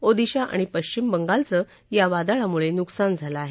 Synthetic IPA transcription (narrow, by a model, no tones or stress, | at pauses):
od̪iɕaʔa̰ɽ̃ipəɕt͡ɕimbəŋɡalt͡sə | jaʋad̪aɭamuɭenuksand͡zʱalaaɦe